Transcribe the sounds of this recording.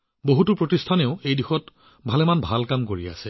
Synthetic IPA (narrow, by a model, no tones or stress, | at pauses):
boɦutupɹotistʰaneʊejdixɔt | bʱalɛmanbʱalkamkoɹia̰sɛ